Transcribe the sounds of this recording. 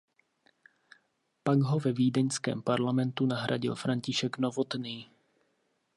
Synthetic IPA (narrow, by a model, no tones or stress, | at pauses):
paɡɦo̞vɛviːdɛɲskɛ̰ːmpaɾlamɛnt̪unaɦɾʔa̰ɟɪ̰lfɾaɲcɪʃɛknovot̪niː